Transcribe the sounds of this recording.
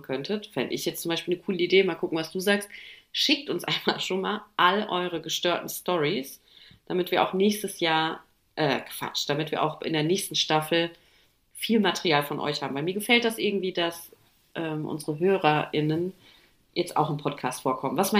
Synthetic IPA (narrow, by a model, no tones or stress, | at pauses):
kʰœntʰətfɛndəɪ̰çjɛt͡stt͡sʊmbaɪʃpiːlnəkʰuːləideːmaːlkʰʊkŋ̩vasd̥uːzaːkstʃɪk̚tʊnsʔa̰ɪnma̰ːlʃoːnmaːlʔaləʔɔ̰ʏʁ̞əɡəʃtøːɐtn̩stɔʁis | d̥amɪtv̥iːɐʔa̰ʊxnɛːçstəsjaːɐ | ʔɛ̰ːkʰv̥a̰t͡ʃd̥amɪtv̥iːɐʔaʊxʔɪ̰ndeːɐnɛːçstn̩ʃtafl̩ | fiːlmatʰɛʁiaːlfɔnʔɔ̰ʏçhaːbm̩vaɪmiːɐɡəfɛlt̚d̥asʔɪɐɡŋ̩tv̥iːdas | ʔɛːmʔʊ̰nzəʁəɦøːʁɐʔɪnən | jɛt͡sta̰ʊxɪnpʰɔtkʰaːstfoːɐkʰɔmənvasma